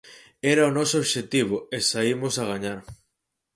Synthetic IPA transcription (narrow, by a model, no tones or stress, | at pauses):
ɛɾaonɔsooβʃet̪iβ̞oesaimosaɣ̞aɲaɾ